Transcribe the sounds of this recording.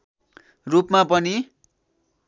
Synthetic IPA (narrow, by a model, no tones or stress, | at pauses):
rupmapʌni